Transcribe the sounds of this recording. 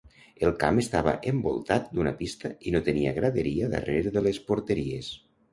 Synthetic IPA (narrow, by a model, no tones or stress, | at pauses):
elˠkamest̪aβə̰ʔembo̰lˠt̪at̪̚d̪unapist̪əinot̪əniəɣɾaðeɾiəða̰reɾðəlespoɾt̪eɾies